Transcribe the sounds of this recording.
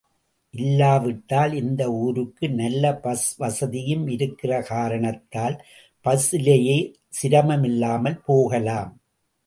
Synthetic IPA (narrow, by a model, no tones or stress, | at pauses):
ʔɪlːaːʋɪʈːaːlɪnd̪ɐuːɾɯkːɯnɐlːɐpɐsʋɐsɐðɪjɯmɪɾɯkːɪrɐkaːɾɐɳɐt̪ːaːl | pɐsɪlɐjeː | sɪɾɐmɐmɪlːaːmɐlpoːɣɐlaːm